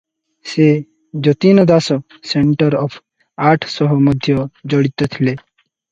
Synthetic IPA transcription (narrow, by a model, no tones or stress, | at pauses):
se | d͡ʒɔt̪inɔd̪asɔ | seɳʈɔɾɔpʰ | aʈʰsɔɦɔmɔd̪ʱjɔd͡ʒɔɽit̪ɔt̪ʰile